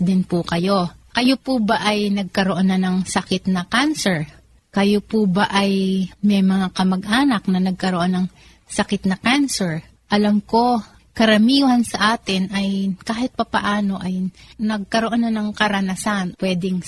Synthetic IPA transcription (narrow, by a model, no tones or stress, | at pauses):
d̪ɪnpʊkɐjo̞kɐjopubaʔɐjnɐɡ̚kɐɾoʔonːɐnɐŋsɐkɪt̪nɐkansɛɹ | kɐjopubɐʔɐjmɛjmɐŋakɐmɐɡʔaːnɐk̚nɐnɐɡ̚kɐɾoʔonːɐŋ | sɐkɪt̪nɐkansɛɹ | ʔɐlɐmko̞ | kɐɾɐmiːhɐnsɐʔaːt̪ɪnʔɐjkaːhɪt̪̚pɐpɐʔaːno̞ʔɐjnɐɡ̚kɐɾoʔonːɐnɐŋkɐɾɐnasanpwɛːd̪ɪŋ